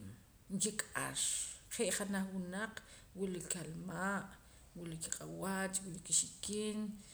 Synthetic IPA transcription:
ŋkikʼa̰ʃχeʔχanaχwunaq͡χ | wulikalmaʔ | wulikiqʼawat͡ʃwilikiʃikiːn

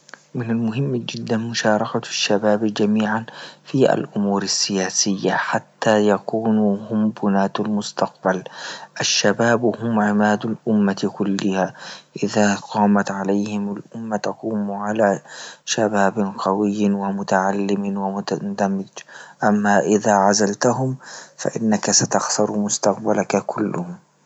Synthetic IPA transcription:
mɪnalmʊɦɪmːd͡ʒɪd̪ːanmʊʃɑːɾˤɑkaʃːabaːbd͡ʒamiːʕanfiʔa̰lʔʊmuːɾasːɪjaːsɪjːaħat̪ːaːjakuːnuhʊmbʊnaːt̪almʊst̪ɑqbalʔaʃːabaːbhʊmʕɪmaːd̪alʔʊmːakʊlːɪhaʔɪðaːqɑːmat̪ʕalajhɪmalʔʊmːat̪aquːmʕalaːʃabaːbɪnqɑwɪjːwamʊt̪aʕalːɪmɪwamʊt̪ad̪amːɪd͡ʒʔamːaːʔɪðaːʕazalt̪aɦʊmfa̰ʔɪnːakasat̪ɑxsɑɾˤmʊst̪ɑq̚balakkʰʊlːʊhʊm

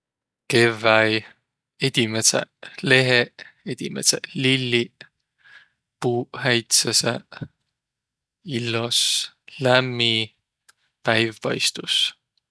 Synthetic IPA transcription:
kevæj | ed̪̥ʲimesḛle̞ɦeed̪̥ʲimeselilːi | puːhæjt̪sesḛ | ilːos | læmːi | pæjvːɑ̰jst̪us

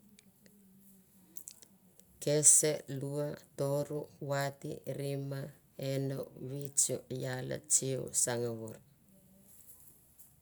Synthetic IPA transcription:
keseluatoɾuwatḭɾima | eno̰βit͡ʃojala̰t͡ʃio̰saŋaβuɾ

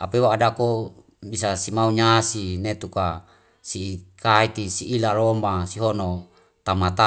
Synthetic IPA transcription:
apewaːdako | bisasimauɲasinet̪uka | siːkait̪isiʔːlaɾomasiɦono | t̪amat̪a

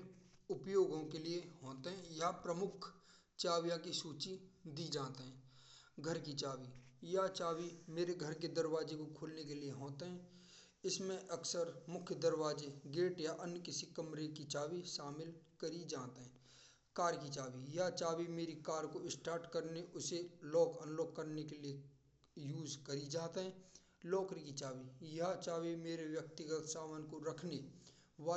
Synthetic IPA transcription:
ʊpjoːɡõkelieɦoːt̪eɦɛ̃japɾəmʊkʰ | t͡ʃaːʋjãkisuːt͡ʃid̪id͡ʒaːt̪eɦɛ̃ːɡʱəɾkit͡ʃaːʋijat͡ʃaːʋimeːɾeɡʱəɾked̪əɾʋaːd͡ʒekokʰoːlnekelieɦoːt̪eɦɛ̃ː | ɪsmẽʔɐksəɾmʊkʰjəd̪əɾʋaːd͡ʒeɡeːʈjaʔənkɪsikɐmɾekit͡ʃaːʋiʃaːmɪlkəɾid͡ʒaːt̪eɦɛ̃ | kaːɾkit͡ʃaːʋijat͡ʃaːʋimeːɾikaːɾkoɪsʈaːɾʈkəɾneʔʊselɔːkənloːkːəɾnekelie | juːzkɐɾid͡ʒaːt̪eɦɛ̃ː | lɔːkɾikit͡ʃaːʋijɐɦat͡ʃaːʋimeːɾeʋjək̚t̪ɪɡət̪saːʋənkoɾɐkʰne | ʋaː

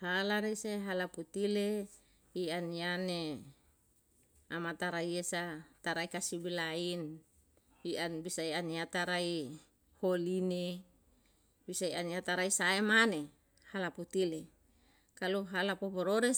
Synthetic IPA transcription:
halaɾeseɦalaput̪ile | ianiane | amat̪aɾaiesat̪aɾaikasibilain | iʔanbisaianiat̪aɾai | holine | bisaianiat̪aɾaisaemane | halaput̪ile | kaluɦalapopoɾoɾe

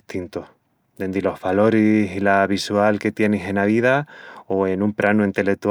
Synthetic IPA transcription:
t̪int̪oh | d̪e̞nd̪ilo̞hβalo̞ɾisilaβisualke̞t̪je̞nese̞naβiðaoe̞nũmpɾʔanuint̪e̞le̞k̚t̪u

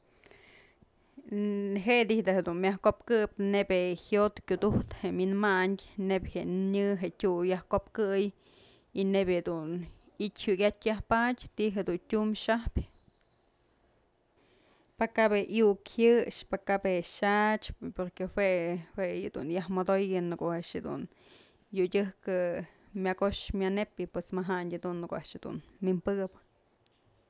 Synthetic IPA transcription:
ɦeʔd̪ihd̪ahed̪unmʲjahkopkɨp̚nebʲehjot̪kʲud̪uht̪heminmaɲʲnebʲheɲɨɦeʔtʲujahkopkɨj | inebʲed̪un | itʲhuɡʲat̪ʲjahpatʲt̪iʔɦed̪untʲumʃahpʲ | pakabeʔjukhɨʂpakabeʃat͡ʃpoɾkehwehweed̪ṵnjahmad̪ojɨnɨkoʔaʔʂhed̪ṵn | judʲɨhkɨ | mʲjaɡoʂmʲjanepʲɨpwesmaɦaɲʲad̪unːɨkoʔa̰ʔʂed̪ṵnmimpɨbɨ̥

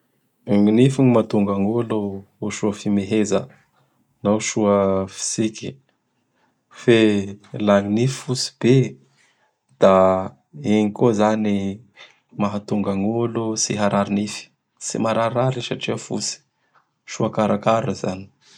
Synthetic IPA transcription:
ŋinifinimat̪uŋɡaŋualoː | ʃuəfimeɦezə̰ | naʃuəfi̥siki | felaŋinifi̥fusi̥b̥e | d̪̥a | eɲikozani | maɦat̪uŋɡaŋualosiɦaɾʔaɾinifi̥ | sḭmaɾaɾaɾisaʈ͡ʂiəfṵsi̥ | ʃuakaɾakaɾəza̰ni̥

